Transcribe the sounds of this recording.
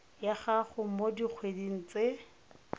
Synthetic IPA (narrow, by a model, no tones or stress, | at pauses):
jaχaχʊmodik͡xʰwediŋ̩t͡sʼe